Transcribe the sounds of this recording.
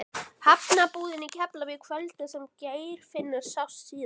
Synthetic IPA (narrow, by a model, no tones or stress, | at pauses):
pʰapnapuːðɪnicʰɛplavɪðkʰvœlt̪ɪsɛmceːjɾ̥fɪnːaɾ̥sawssiːð